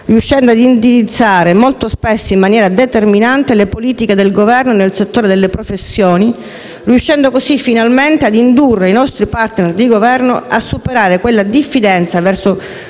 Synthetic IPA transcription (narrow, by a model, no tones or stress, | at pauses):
riuʃːɛnd̪oad̪ind̪iɾit̪sːaːɾemolt̪ospesːoimːanjɛːɾad̪et̪erminant̪elepoliːt̪iked̪elɡovɛrnonelset̪ːoːɾed̪elːepɾofesːjoːni | riuʃːɛnd̪okosifːinalment̪ead̪ind̪urːeinɔst̪ɾipart̪nerd̪iɡovɛrnoasːupeɾaːɾekwelːad̪ifːid̪ɛnt̪savɛrso